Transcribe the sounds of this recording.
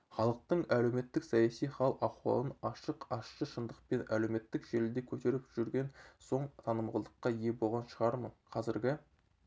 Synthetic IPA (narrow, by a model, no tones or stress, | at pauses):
χɑlˠəq̚t̪əɴæle̞wme̞t̪ːɪksɑjɑsijχɑlˠɑqwɑ̰lˠənɑʃəqɑʃʃəʃənd̪əq̚pe̞nʔælewme̞t̪ːɪkʒ̥elɪld̪ekʲʰɵt̪e̞ɾɪpʒ̥ʏɾɡʲe̞nso̞ɴt̪ʰɑnəmʁəlˠd̪əqːɑje̞bo̞lˠʁɑnʃəʁɑɾmənqʰɑzɪɾɡʲɪ